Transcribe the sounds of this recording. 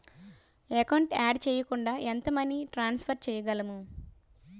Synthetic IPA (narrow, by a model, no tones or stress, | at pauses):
ekɐwɳʈaːɖt͡ʃɛːjɐkuɳɖaːʔent̪ɐmɐniʈɾaːnspʰɐɾt͡ʃɛːjɐɡɐlɐmu